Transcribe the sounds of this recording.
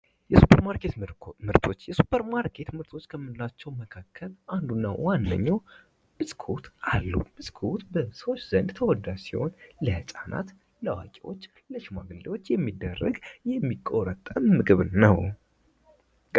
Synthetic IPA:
jɛsupʰəɾmaɾkʰet̪mɨɾt̪ʰo̞t͡ʃːjɛsu̥pʰːəɾmaɾkʰe̞t̪mɨɾt̪ʰo̞t͡ʃːkʰəmːɨnɨlat͡ʃːɛwməkʰakʰːəlʔand̪unːawanːə̰ɲːaw | b̥ɨsʼkʰut̪ʰʔalːṵb̥ɨsʼkʰut̪bəsəwot͡ʃːz̥ənd̪t̪ʰəwɔd̪asiho̞̰nləhɨsʼana̰t̪ | ləwa̰kʼewo̞̰t͡ʃː | ləʃima̰ɡɨldewo̞t͡ʃːjɛmːid̪ːərːə̰ɡjɛmːikʼːoɾət̪ʼːəmmɨɡɨβnəw

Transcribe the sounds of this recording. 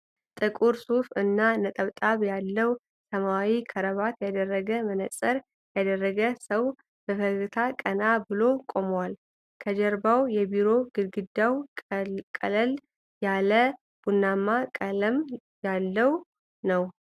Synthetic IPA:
t̪ʼɨkʼuɾsufɨnːanət̪ʼəβt̪ʼaβjalːəw | səmawikʰəɾəβat̪jad̪ərːəɡəmənəsʼəɾ | jad̪ərːəɡəsəw | b̥əfəɡɨt̪ʰakʼənabɨlo̞kʼo̞məwal | kʰəd͡ʒɛɾbawjɛbiɾo̞ɡɨɡɨd̪ːaw | kʼə̰ləl | jalə | b̥unːamːakʼələm | jalːəw | nəw

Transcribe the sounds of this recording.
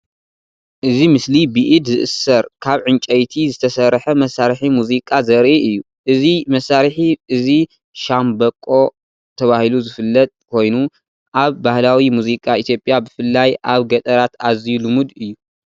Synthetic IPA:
ʔɨzimɨslibiʔid̪zɨʔɨsɐɾkʰaβʕɨnt͡ʃʼɐjt̪ʰizɨt̪ʰɐsɐɾħɐmɐsːaɾħimuzikʼazɐɾʔiʔɨjːu | ʔɨzimɐsːaɾħiʔɨzi | ʃambɐkʼːo̞ | t̪ʰɐβahiluzɨfɨlːɐt̪ʼkʰo̞jnu | ʔaβːahlawimuzikʼait̪ʰjo̞pʼːjabɨfɨlːajʔaβɡɐt̪ʼɐɾat̪azijulɨmud̪ɨjːu

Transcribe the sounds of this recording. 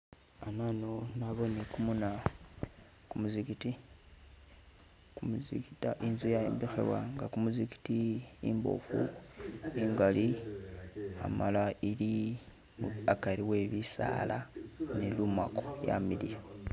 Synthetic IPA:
ananonaβonekumuna | kumuzikiti | kumuzikitaʔinzujaembixḛβwa̰ŋɡakumuziki̥tiimbo̞̰fṵ | iːŋɡali | a̰malaili | muakaɾiweβisa̰lanelumwakoja̰milija

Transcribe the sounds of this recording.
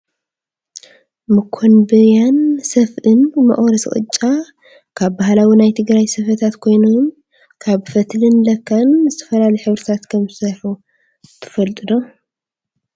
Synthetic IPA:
mɨkʰːonbɨɾjansɐfʔɨnmɐ̰χʼwɾɐsχʼɨ̰t͡ʃʼːa | kʰaβbahlawinajt̪ʰɨɡɾajsɐfɐt̪ʰat̪kʰo̞jnom | kʰaβfɐt̪lɨnlɐkʰːanzɨt̪ʰɐ̥fɐlalɐjħɨβɾɨt̪ʰat̪kʰɐmɨsɐħu | t̪ʰɨ̥fɐlt̪ʼɨd̪o

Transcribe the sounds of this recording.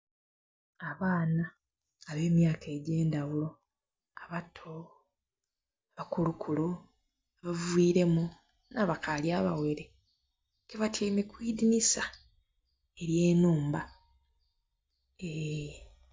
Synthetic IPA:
aβaːnaː | βe̞ːmjaːkʰe̞ːɟeːndawulo | aβatʰo | βakulukʰulo | aβaviːɾe̞mu | naβakʰaljaβawe̞ɾe | keβatʰeːmekwiːdinisa | e̞ɾje̞ːnuːmba | e

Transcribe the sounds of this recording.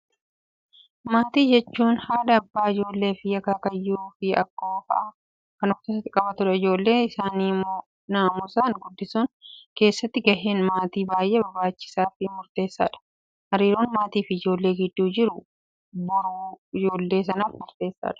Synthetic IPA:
maːt̪iːd͡ʒɛt͡ʃːuːnhaːd̪ɐbːaːɪd͡ʒo̞ːlːe̞ːfɪjɐkaːkɐjːuːfɪɐkːoːfɐ̰ʔɐ | kɐnɔft̪ɪsɐt̪ɪkʼɐbɐt̪ʊɾɛɪd͡ʒo̞ːlːe̞ːɪsaːniːmoː | naːmʊsaːŋɡʊd̪ːɪsuːnke̞ːsːɐt̪ːɪɡɐɦe̞ːnmaːt̪iːbaːjʔeːbɐbaːt͡ʃːɪ̥saːfɪmʊɾt̪e̞ːsːaːᶑɐ̥ | hɐɾiːɾoːnmaːt̪iːfɪd͡ʒo̞ːlːe̞ːɡɪd̪ːuːd͡ʒɪɾʊ | bʊɾuːɪd͡ʒo̞ːlːe̞ːs̬ɐnaːfmʊɾt̪e̞ːsːa̰ːᶑɐ̥

